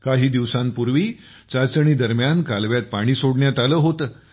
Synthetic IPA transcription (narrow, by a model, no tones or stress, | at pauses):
kaɦiːd̪iʋsãmpuɾʋiː | t͡sat͡səɳ̃iːd̪əɾmjankalʋjat̪̚paɽ̃iːsoɽɳjat̪aləːɦot̪əː